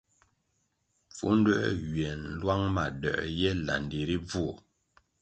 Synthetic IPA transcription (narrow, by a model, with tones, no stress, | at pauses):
fṵ˦n˦dɛ˦ʔwɥɛ˨n˦lwa˦ŋma˨dɛ̰˨ʔjɛ˦la̰˨ndi˨ɾi˦b͡vu˦˨